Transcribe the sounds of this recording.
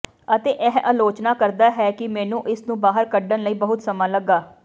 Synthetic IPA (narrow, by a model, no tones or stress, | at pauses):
ət̪eːʔɛɦaːloːt͡ʃnaːkəɾd̪aːɦɛːkɪmɛ̃ːnũːʔɪsnũːbaːɦəɾkəɖənləiːbəɦʊt̪səmãːləɡːaː